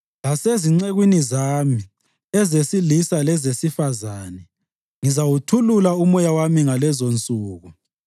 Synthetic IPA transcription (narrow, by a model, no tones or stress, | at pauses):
laseziŋ͡ǀeɣwinizaːmi | ɛzesilisalɛzesifazaːnɛ | ŋizawutʰululaumɔjawamiŋalɛzont͡sʼuːɣu